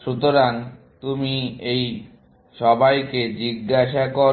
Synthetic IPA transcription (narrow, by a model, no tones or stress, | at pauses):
ʃut̪oɾan | t̪umiej | ʃɔbajked͡ʑiɡːaʃako